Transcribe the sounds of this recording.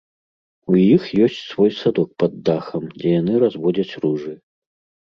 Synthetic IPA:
ujixjɔsʲt͡sʲsvɔjsad̪ɔk̚pɐd̪ːaxɐmd͡zʲɛjanɨɾazvɔd͡zʲɐt͡sʲruʐɨ

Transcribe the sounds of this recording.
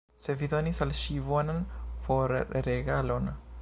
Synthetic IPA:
seviðo̞nisalʃivonanfoɾɾeɡalo̞n

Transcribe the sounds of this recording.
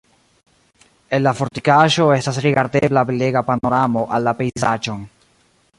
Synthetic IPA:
ellafoɾt̪ikaʃoest̪asɾiɣaɾt̪eblaβeleɣapanoɾamoʔalːapejsat͡ʃoŋ

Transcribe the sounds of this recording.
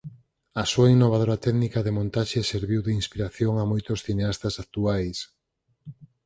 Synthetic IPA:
ɐsuainːoβ̞aðoɾat̪ɛɡnikaðemõnt̪aʃeseɾβiwðeinspiɾaθjoŋamojt̪osθineast̪asak̚t̪uajs

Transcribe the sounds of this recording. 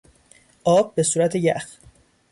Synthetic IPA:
ʔɒːb̚ːe̞suːɾæt̪ʰejæx

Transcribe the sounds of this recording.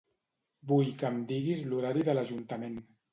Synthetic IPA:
bujkəmd̪iɣizluɾaɾiðələʒunt̪əmen

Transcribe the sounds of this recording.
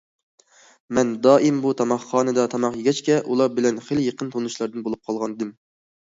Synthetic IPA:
mɛnd̪ɑːʔimbut̪ʰɑmɑχːɑːnɨd̪ɑt̪ʰɑmɑχjeɡʲɛt͡ʃkʲɛʔulˠɑɾbɪlɛnχeljeqənt̪ʰonuʃlˠɑɾd̪ɨnbolˠup̚qʰɑlˠʁɑnɨd̪ɪm

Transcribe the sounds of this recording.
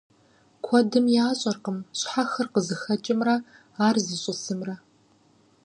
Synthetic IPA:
kʷʰɔdɨmjaaːɕʼɐrqəmɕħaxɐrqəzɨxɐt͡ʃʼɪmrɐ | aːrzɨɕʼɪsɨmrɐ

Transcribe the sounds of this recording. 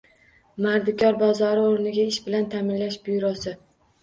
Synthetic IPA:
maɾd̪ɪkʲɒɾbɒzɒɾɪoɾnɪɡʲaɪʃbɪlant̪ʰamɪnlaʃbʊjɾɒsɪ

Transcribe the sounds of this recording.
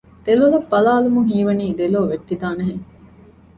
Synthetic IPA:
d̪̥elulɐbːɐlaːlumuŋɦiːʋɐniːd̪eloːʋeʈːid̪aːnɐɦeŋ

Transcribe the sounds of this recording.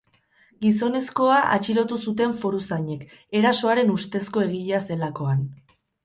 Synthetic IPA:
ɡiso̞ne̞sko̞aʔa̰t͡ʃiɾo̞t̪usut̪e̞ɱfo̞ɾusaɲe̞k | e̞ɾaso̞aɾe̞nust̪e̞sko̞e̞ɣ̞iʎase̞lako̞an

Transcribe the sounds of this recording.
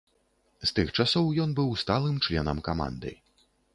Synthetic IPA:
st̪ɨxt͡ʂasɔwjɔnbɨwst̪alˠɨmt͡ʂlʲɛnɐmkama̰nd̪ɨ̰

